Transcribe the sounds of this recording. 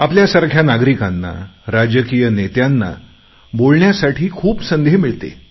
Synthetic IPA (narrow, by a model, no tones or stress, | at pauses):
apljasaɾkʰjanaɡɾikanːa̰ɾad͡ʑəkijənet̪janːa̰ | bolɳjasaʈʰiːkʰuːpsənd̪ʱemiɭt̪ḛ